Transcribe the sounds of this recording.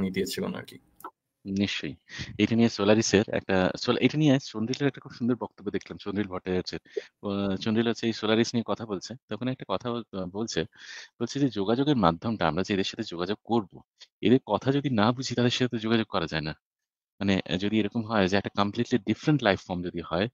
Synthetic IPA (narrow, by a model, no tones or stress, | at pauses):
nit̪iet͡ɕʰeko̰na̰ki | niʃt͡ɕojejʈanijesolaɾiseɾɛ̰k̚ʈasolʔejʈanieʃonɾileɾɛk̚ʈakʰubʃund̪oɾbɔk̚t̪obːod̪ekʰlamt͡ɕonɾilbʱɔʈeeɾt͡ɕʰe | t͡ɕonɾilɦotːt͡ɕʰeejsolaɾisniekɔt̪ʰabolt͡ɕʰet̪ɔkʰonɛk̚ʈakɔt̪ʰabolt͡ɕʰeb̥olt͡ɕʰed͡ʑed͡ʑoɡad͡ʑoɡeɾmad̪ʱːomʈaa̰mɾad͡ʑeed̪eɾʃat̪ʰed͡ʑoɡad͡ʑoɡ̚koɾbo | ḛd̪eɾkɔt̪ʰad͡ʑod̪inabud͡ʑʱit̪ad̪eɾʃat̪ʰet̪od͡ʑoɡad͡ʑoɡ̚kɔɾad͡ʑaena | manḛd͡ʑod̪ieɾɔkomɦɔed͡ʑeɛk̚ʈakəmpliʈliɖifɾeɳʈlajfːɔɾmd͡ʑod̪ihɔe